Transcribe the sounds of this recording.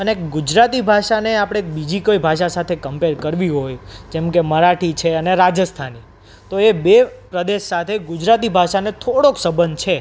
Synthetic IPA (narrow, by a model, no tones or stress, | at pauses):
əneekɡud͡ʒɾat̪ibʱaʃaneapɽ̃eːk̚bid͡ʒikojbʱaʃasat̪ʰekəmpeɾkəɾʋiɦojd͡ʒɛmkeməɾaʈʰit͡ʃʰeəneɾad͡ʒəst̪ʰani | t̪oebepɾəd̪eʃsat̪ʰeɡʊd͡ʒɾat̪ibʱaʃanet̪ʰoɽoksəbənt͡ʃʰe